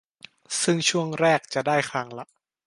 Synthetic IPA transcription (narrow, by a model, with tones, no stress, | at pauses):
sɯ˥˩ŋt͡ɕʰu˥˩əŋɾɛː˥˩k̚t͡ɕa˨˩daː˥˩jkʰɾa˧˥ŋla˦˥ʔ